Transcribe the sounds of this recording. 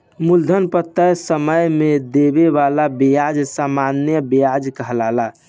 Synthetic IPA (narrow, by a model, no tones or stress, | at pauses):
muld̪ʱənpət̪ːəjsəməjmed̪ebeβalabejad͡ʒsamanjəbiad͡ʒkəɦlala